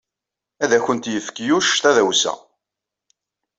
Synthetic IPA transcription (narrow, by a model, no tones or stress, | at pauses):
æðæçənt̪jəfkjuʃθæðæwsæ̰